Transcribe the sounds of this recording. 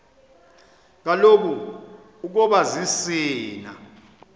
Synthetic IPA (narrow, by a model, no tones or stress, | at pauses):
k̬alok̬u | uk̬ɔɓazisiːna̰